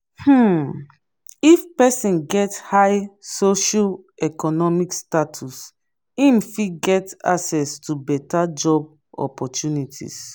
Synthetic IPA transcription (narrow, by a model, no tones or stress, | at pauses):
h̩ | ifpɛsĩnɡɛthajsoʃal | ɛkɔnɔmikstatʰus | ĩmfiɡɛta̰sɛstʰubɛtad͡ʒɔb | ɔ̰pɔtʰjunitʰḭs